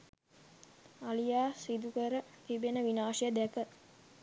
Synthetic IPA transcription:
alijaːsid̪ukəɾət̪ibenəʋinaːʃijəd̪ɛkə

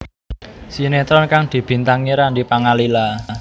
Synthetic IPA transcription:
sinet̪ɾɔnkaŋd̪̥i̤b̥i̤nt̪aŋiɾandipaŋalila

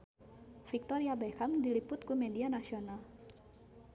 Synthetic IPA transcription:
fik̚t̪oɾiabɛhamdilipʊt̪̚kumedianasional

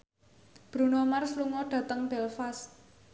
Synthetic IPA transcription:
b̥ɾṳnomarsluŋɔɖ̥ä̤t̪əŋb̥ɛlfas

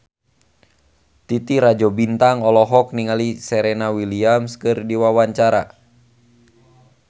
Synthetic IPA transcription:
t̪it̪iɾad͡ʒɔbint̪aŋɔlɔɦɔk̚niŋalisɛɾɛnawiliamskɨrdiwawaɲt͡ʃaɾa̰

